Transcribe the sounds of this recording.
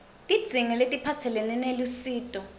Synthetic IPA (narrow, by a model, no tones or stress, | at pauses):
tʼid̥z̥ʱiŋɛletʼipʰatʰɛlɛnɛnelusiːtʼɔ